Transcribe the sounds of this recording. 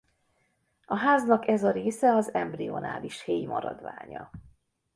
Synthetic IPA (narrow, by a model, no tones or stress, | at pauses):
ɒɦaːznɒkɛzɒɾeːsɛɒzɛmbrio̞̰na̰ːliʃheːjmʔɒɾɒd̪ʋa̰ːɲɒ